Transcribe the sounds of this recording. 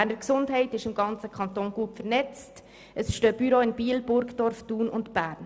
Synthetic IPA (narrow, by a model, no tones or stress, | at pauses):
ænəɾksʊndɦɛɪtɪʃɪmɡɑnt͡səkʰɑnt̪oːnɡ̥uəpfəɾnɛt͡st | əsʃtøːb̥yɾoːɪnbiːəlbʊɾkd̥ɔɾftuːnʊntb̥æːɾn